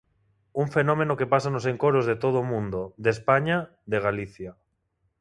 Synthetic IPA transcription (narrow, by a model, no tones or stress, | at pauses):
uɱfenõmenokepasanoseŋkoɾozðet̪oðoːmũnd̪od̪espaɲa | ðeɣ̞aliθja